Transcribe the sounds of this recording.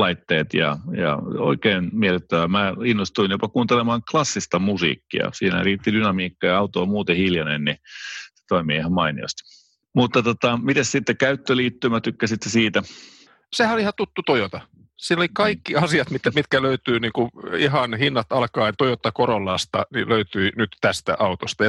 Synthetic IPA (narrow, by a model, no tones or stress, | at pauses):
lɑit̪ːeːt̪jɑ̰jɑ̰o̰ikeːnmielyt̪ːæʋæmæinːost̪uinjopɑkuːnt̪elemɑːŋklɑsːist̪ɑmusḭːkːḭɑ̰siːnæ̰riːt̪ːidynɑmiːkːɑjɑɑut̪oːmuːt̪ehiljɑnennise̥t̪oimiːihɑmmɑinio̰st̪ | mut̪ːɑt̪ot̪ɑmit̪æssit̪ːekæyt̪ːøliːt̪ːymæt̪ykːæsit̪ːesiːt̪æ | sehæoliihɑt̪ut̪ːut̪ojot̪ɑ | siːlːolikɑikːiɑsiɑt̪mit̪ːæmit̪kæløyt̪yːniːŋkuiɦɑnhinːɑt̪ɑlkɑːt̪ojot̪ːɑkoɾolːɑst̪ɑniløyt̪yinyt̪t̪æst̪æ̰ʔɑut̪ost̪ɑjɑ